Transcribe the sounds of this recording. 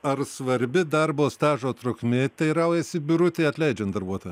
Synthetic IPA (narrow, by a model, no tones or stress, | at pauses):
ɐrsʋɐɾʲbʲɪd̪ɐɾboːst̪ɑːʒoːt̪ɾʊkmʲɪt̪ʲɛɪɾɐʊjɛsʲɪbʲʊɾʊt̪ʲeːɐt̪ʲlʲɛɪd͡ʒʲɛnt̪d̪ɐɾbuɔt̪oːjɛ